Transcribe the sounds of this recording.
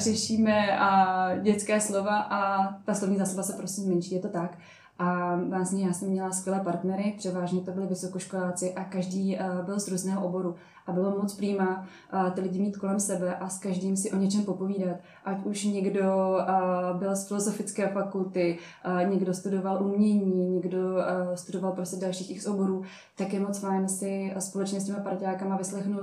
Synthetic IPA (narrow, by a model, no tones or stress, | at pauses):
rɛʃiːmɛ | ɟɛt͡skɛːslo̞vaʔat̪aslovɲiːzaːsabasɛpɾosimmɛnʃiːjɛt̪o̞t̪ak | ʔavaːsɲjaːsɛmːɲɛlaskvʲjɛlɛːpaɾt̪nɛɾɪpr̥ɛvaːʒɲɛt̪o̞bɪlɪvɪso̞koʃkolaːt͡sɪʔakaʒdiːbɪlzɾuːznɛːɦoʔobo̞ɾu | ʔabɪlomot͡spɾiːma | t̪ɪlɪɟɪmiːt̪ko̞lɛmsɛbɛʔaskaʒdiːmsɪʔo̞ɲɛt͡ʃɛmpo̞po̞viːdat̪ | ʔacuʃɲɛɡdo̞ | bɪlsfɪlo̞zo̞fɪt͡skɛːfakult̪ɪ | ɲɛɡdo̞st̪udo̞valʔumɲɛɲiːɲɛɡdo̞st̪udo̞valpɾostɛdalʃiːxɪxsobo̞ɾuː | t̪akjɛmot͡sfajnsɪspo̞lɛt͡ʃɲɛs̬cʲɛmapaɾcaːkamavɪslɛxnul